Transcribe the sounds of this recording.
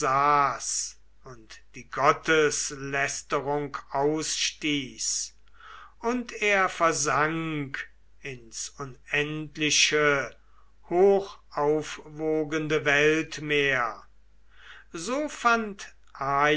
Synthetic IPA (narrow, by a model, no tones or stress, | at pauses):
aːs | ʊntd̥iːɡɔtəslɛstəʁʊŋkaʊsʃtiːs | ʊntʰeːɐfɛɐzaŋk | ɪnsʊnɛntlɪʃə | hoːxʔaʊfvoːɡəndəvɛltmeːɐ | zoːfant | ʔaː